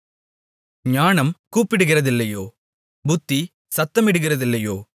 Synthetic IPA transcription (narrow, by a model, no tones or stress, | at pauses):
ɲaːnɐmkuːpɪɽɯɣɪrɐðɪlːɐjoː | bʊt̪ːi | sɐt̪ːɐmɪɽɯɣɪrɐðɪlːɐjoː